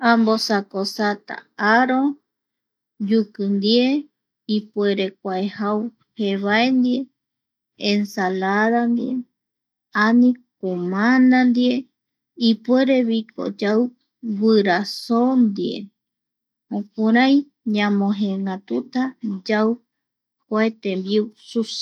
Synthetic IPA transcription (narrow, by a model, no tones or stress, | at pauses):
ambosakosat̪a̰aɾo | d͡ʒukɨnd̪ie | ipwe̞ɾek̚ʷaehaw | heβaend̪ieː | nsalaðand̪ie | anĩkomãnand̪ie | ipweɾe̞βiko̰d͡ʒaw | βɨɾasond̪iḛ | õkuɾaj̃ | ɲãmõɦẽŋɡat̪ut̪ad͡ʒaw | kʷaet̪embiusus